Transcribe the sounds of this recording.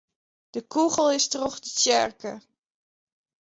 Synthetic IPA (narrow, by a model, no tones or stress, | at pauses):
d̥əkuχəl̩ˠɪstroχdət͡ʃɛrkə